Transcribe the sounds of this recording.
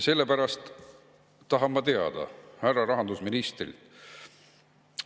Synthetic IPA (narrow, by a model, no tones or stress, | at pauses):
se̞lːe̞pæɾɑst̪ː | ɑɦɑmmːɑt̪eɑ̰d̪̥ɑ̰hærɑɾɑɦɑnd̪usminist̪rḭlt̪